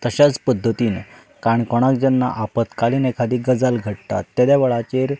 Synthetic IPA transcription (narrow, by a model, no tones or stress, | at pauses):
t̪əɕat͡spəd̪ʱːət̪iːn | kaəɳkɔɽ̃akd͡ʑɛnːa̰ʔapət̪kaliːnekʰad̪iːɡəd͡zalɡʱəʈ̚t̪a̰t̪ːad̪jaʋəɭat͡ɕeɾ